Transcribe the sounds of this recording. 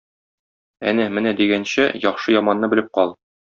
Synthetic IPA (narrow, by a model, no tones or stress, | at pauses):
æ̰nɘmɘnæd̪iɡænɕæjɒχʃɤjɒmɑnːɤbɘ̆lɘp̚qɒlˠ